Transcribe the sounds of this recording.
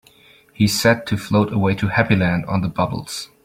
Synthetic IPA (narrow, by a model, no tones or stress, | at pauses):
hisɛd̚tʰɨfloʊɾəweɪɾɨhæpilæ̃ndn̩ðəbʌbl̩ˠz̥